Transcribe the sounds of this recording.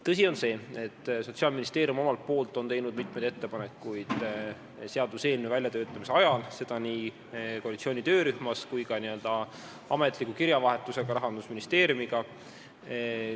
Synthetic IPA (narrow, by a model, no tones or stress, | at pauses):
t̪ɤs̬ʲio̞nse̞ːe̞t̪ˑːso̞t̪siɑːlminʲist̪e̞ːɾiumo̞mɑlt̪̚po̞ːlt̪ːˑo̞nt̪e̞jnud̪̚mit̪ˑmejd̪et̪ːe̞pɑne̞kˑːujd̪̥ | seɑd̪̥use̞ːlnevæljɑt̪øːt̪ːˑɑmise̞ɑjɑlse̞d̪̥ɑniː | koɑlit̪sio̞ːnit̪ø̞ːɾyhmɑskujkɑniø̞ld̪̥ɑ | ɑme̞t̪ːˑlikːˑukiɾjɑvɑɦe̞t̪ːˑuse̞ɡ̥ɑɾɑɦɑnd̪̥usminist̪eːɾjumiɡɑ